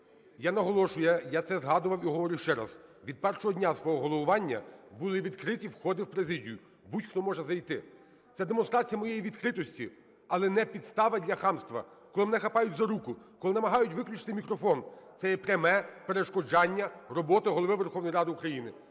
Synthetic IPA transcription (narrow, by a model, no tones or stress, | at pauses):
janɐɦɔlˠɔʃʊjɛjat̪sɛzɦɑd̪ʊʋɐwiɦɔʋɔɾɪwʃt͡ʃɛɾɐ̰zʋʲid̪̚pɛrʃɔɦɔdʲnʲasʋɔɦɔɦɔlˠɔʋʊʋɑnʲːɐ̰bulˠɪʋʲid̪kɾɪtʲiwxɔd̪ɪwpɾezɪdʲijʊ | butʲxt̪ɔmɔʒɛzɐjt̪ɪ | t̪sɛd̪emɔnst̪ɾɑt͡sʲijɐmɔjejiʋʲid̪kɾɪt̪ɔsʲtʲi | ɐlˠɛnɛpʲid̪st̪ɑʋɐdʲlʲɐxɑmst̪ʋɐ̰ | kɔlˠɪmnɛxɐpɑjʊtʲzɐɾukʊkɔlˠɪnɐmɐɦɑjʊtʲʋɪklʲut͡ʃɪ̥t̪ɪmʲikɾɔfɔnt̪sɛjɛpɾʲɐmɛpeɾeʃkɔd͡ʒɑnʲːɐrɔbɔt̪ɪɦɔlˠɔʋɪʋerxɔwnɔjɾɑd̪ɪukɾɐjinɪ